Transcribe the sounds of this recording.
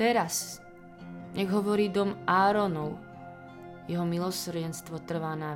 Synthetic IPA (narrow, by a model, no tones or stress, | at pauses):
ɛɾas | ɲɛɡɦɔʋɔɾiːd̪ɔmʔaːɾɔnɔʊ | jɛɦɔmilˠɔsrɟɛnst̪ʋɔt̪r̩ʋaːna